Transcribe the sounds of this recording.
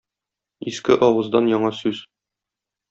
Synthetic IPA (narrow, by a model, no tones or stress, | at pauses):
iskɘʔɒwɤ̆zd̪ɑnjɒɴɑsʉz